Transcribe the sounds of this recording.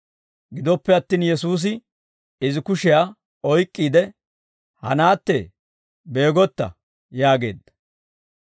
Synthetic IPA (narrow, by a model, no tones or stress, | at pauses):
ɡɪd̪ɔpːɛɐt̪ːiːnjɛsuːs̬ɪ | ɪzɪkʊʃɪjaː | ɔjkʼːiːd̪ɛ | hɐ̰naːt̪ːḛ | be̞ːɡɔt̪ːɐ̰ | jaːɡe̞̰ːd̪ːɐ̥